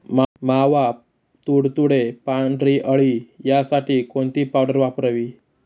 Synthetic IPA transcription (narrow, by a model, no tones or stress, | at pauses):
mmaʋa | t̪uɽt̪uɽepaɳɖɾiʔəɭiːjasaʈiːkoɳt̪iːpawɖəɾʋapɾəʋiː